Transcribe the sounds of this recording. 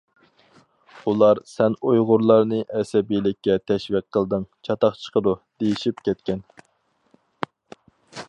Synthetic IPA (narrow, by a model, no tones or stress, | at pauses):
ulˠɑɾsɛnujʁʊɾlˠɑɾnɨʔɛsɛbijlɪkʲːɛt̪ʰɛʃvɪq̚qʰːəlˠd̪ɨŋt͡ʃʰɑt̪ɑχt͡ʃʰə̥qʰəd̪ud̪̥ejiʃip̚kʲʰɛt̪kʲɛn